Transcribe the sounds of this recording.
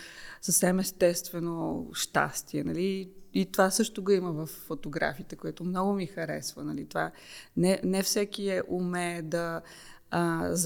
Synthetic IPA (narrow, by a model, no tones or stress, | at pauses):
səfsɛmɛst̪ɛst̪vɛnoʃt̪a̰st̪iɛnɐliit̪ovasɤʃt̪oɡɐiməvɐfːot̪oɡɾa̰fiːt̪ɛkoɛt̪omnɔɡʊmixɐɾɛ̰svənɐlit̪ova | nɛnɛfsɛkiɛʔumɛd̪ɐː | z